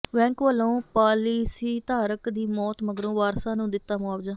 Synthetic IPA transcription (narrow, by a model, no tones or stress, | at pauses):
ʋɛ̃ːŋkʋəlõːpaːlisiːt̪aːɾəkd̪iːmɔːt̪məɡɾõːʋaːɾsãːnũːd̪ɪt̪ːaːmʊaːʋd͡ʒãː